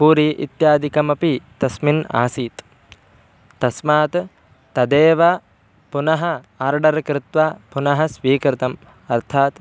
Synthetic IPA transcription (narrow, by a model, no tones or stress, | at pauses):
puːɾiʔḭt̪jaːd̪ikɐmɐpit̪ɐsmina̰ːsiːt̪ | t̪ɐsmaːt̪ | t̪ɐd̪eːʋɐ | punɐɦɐ | aːɾɖɐɾkɾɪt̪ʋapunɐɦɐ̆sʋiːkɾɪt̪ɐm | ɐɾt̪ʰaːt̪